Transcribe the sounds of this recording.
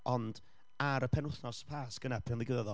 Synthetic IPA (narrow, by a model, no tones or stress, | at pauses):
ɔnd̥ | aɾəpʰɛnʊθnɔsə̥pʰaːsɡ̥ənɛpʰrɪnðˠiɡəðəðɔ